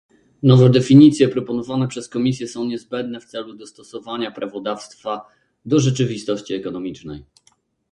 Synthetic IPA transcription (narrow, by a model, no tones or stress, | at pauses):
nɔvɛd̪ɛfʲiɲit̪sʲjɛpɾɔpɔnɔvanɛpʂɛskɔmʲisʲjɛsɔ̃w̃ɲɛzbɛnd̪nɛft̪sɛlud̪ɔst̪ɔsɔvaɲapɾavɔd̪afst̪fa | d̪ɔʐɛt͡ʂɘvʲist̪ɔɕt͡ɕiɛkɔnɔmʲit͡ʂnɛ̰j